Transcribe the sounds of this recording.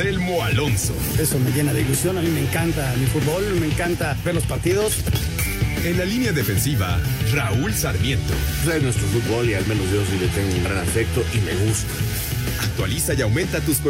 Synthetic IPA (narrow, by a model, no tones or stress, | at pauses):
selmo̞alo̞nso̰e̞someʝe̞naðeilusjo̞namime̞ːŋkant̪amifut̪̚bolmeːŋkant̪abeɾlospaɾt̪iðo̞s | e̞nlalinjaðefe̞nsiβa̰raulsaɾmje̞nt̪o̞̰renwest̪ɾofut̪̚bo̞lialme̞nozosilet̪eŋɡuŋɡɾanafek̚t̪o̞ʔime̞ɣust̪ḁ | ak̚t̪wa̰lisajawmẽ̞nt̪at̪usp